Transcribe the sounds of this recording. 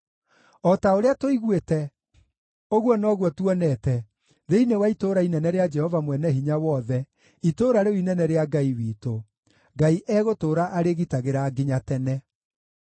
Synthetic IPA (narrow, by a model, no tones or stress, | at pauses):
ɔtaoɾeatoiɣwetɛ | oɣwɔnɔɣwɔtwɔnɛtɛ | ɾeinewaitoɾainɛnɛɾead͡ʒɛhɔvamwɛnɛɦiɲawɔðɛ | itoɾaɾeinɛnɛɾeaɡaiwiːto | ɡaiʔɛɣotoːɾaʔaɾeɣitaɣeɾaːɡiɲatɛnɛ